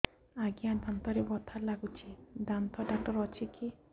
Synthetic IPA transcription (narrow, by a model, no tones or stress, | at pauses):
aɡiad̪ant̪ɔɾebɔt̪ʰaɾlaɡut͡ʃʰid̪ant̪ɔɖak̚ʈɔɾɔt͡ʃʰiki